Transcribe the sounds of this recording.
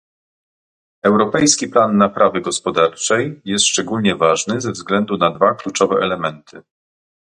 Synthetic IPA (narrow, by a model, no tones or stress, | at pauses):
ɛwɾɔpɛjskʲiplanːapɾavɘɡɔspɔd̪aɾt͡ʂɛjjɛst̪ʂt͡ʂɛɡulɲɛvaʐnɘzɛvzɡlɛnd̪unad̪vaklut͡ʂɔvɛʔɛlɛmɛnt̪ʰɘ